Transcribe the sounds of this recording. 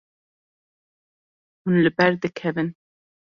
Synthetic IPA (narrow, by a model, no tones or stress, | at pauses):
hunlɨbɛɾd̪ɨkʰɛvɨn